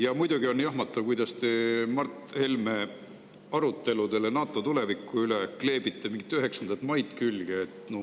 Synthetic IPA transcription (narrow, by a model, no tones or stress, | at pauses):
jɑmujd̪̥uɡio̞njɑɦmɑt̪ːˑɑvkujd̪̥ɑst̪emɑrt̪ˑːhe̞lme | ɑɾut̪ːˑe̞lud̪e̞lenɑːt̪ˑːo̞t̪ule̞vikːˑuylekle̞ːbit̪ːˑemiŋɡit̪ːˑyɦe̞ksɑnd̪ɑt̪mɑjt̪ˑkylɡ̥eːt̪no